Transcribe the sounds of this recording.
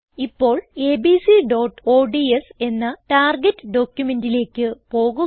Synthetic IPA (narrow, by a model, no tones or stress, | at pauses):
ipːo̞ːɭe̞ːbisiɖo̞ːʈːo̞ːɖiese̞nːɐʈaːrɡetːɨɖo̞ːkjume̞ndile̞ːkːɨpo̞ːɣu